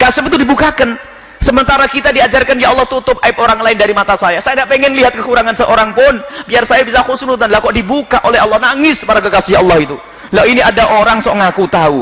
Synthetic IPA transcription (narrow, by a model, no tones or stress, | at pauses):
kasəpt̪ːudibukakan | səmənt̪aɾakit̪adiad͡ʒarkanjaɑlːɑht̪ut̪ʊp̚ʔaɪp̚oɾaŋlaɪndaɾimat̪asajasajandaʔpeŋɛnliɦat̪̚kəkuɾaŋansəʔoɾaŋpʊnbiarsajabisakusunut̪anlakɔʔdibukaʔolɛɦɑlːɑhnaŋɪspaɾak̬əkasiɦʔɑlːɑhit̪u | lainiadaʔoɾaŋsoʔŋakut̪au